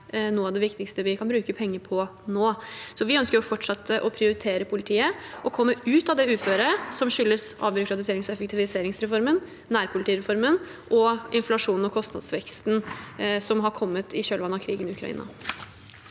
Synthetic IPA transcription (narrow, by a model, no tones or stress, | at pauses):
nuːɑʋd̪ɛʋɪkt̪ɪkst̪əʋɪkʰɑnbɾʉːkəpʰɛŋːəpʰɔnoːsɔʋɪœnskəɾjɔfɔʈːʂɑt̪ʰːəʔɔpʰɾɪʊɾɪt̪ʰeːɾəpʰʊlɪt̪ʰiːəʔɔkʰɔmːəʉːt̪ɑd̪ɛʉːføːɾəsɔmɕʏlːəsɑ̰ʋbʏɾʊkʰɾɑt̪ɪseːɾɪŋsɔɛfəkt̪ɪʋɪseːɾɪŋsɾɛfɔɾmən | næːɾpʰʊlɪt̪iːɾɛfɔɾmən | ʔɔɪnflɑʂuːnn̩ɔkʰɔst̪nɑ̰d̪sʋɛkst̪n̩sɔmɦɑɾkʰɔmːət̪ʰɪɕøːlʋɑnːɑkʰɾiːɡənɪʉkʰɾɑ̰ḭːnɑ̰